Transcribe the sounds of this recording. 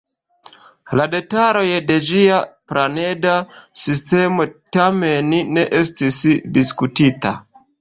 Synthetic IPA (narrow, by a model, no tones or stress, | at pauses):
lade̞taɾo̞jde̞d͡ʒiaplane̞dasiste̞mo̞tamenne̞ʔe̞s̬tisdiskutita̰